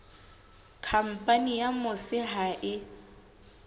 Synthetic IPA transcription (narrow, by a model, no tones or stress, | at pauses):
kʰam̩pʼanijamʊsɪɦaʔɪ